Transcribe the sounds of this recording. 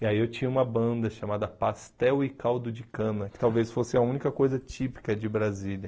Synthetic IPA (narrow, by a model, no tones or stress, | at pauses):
iaiewt͡ʃĩɲɐũmɐbɐ̃nd̪ɐʃamad̪ɐpast̪ɛwɪkawd̪ʊd͡ʒɪkɐ̃nɐkɪ̥t̪awvesfosɪɐũnikɐkojzɐt͡ʃipi̥kɐd͡ʒɪbɾazilɐ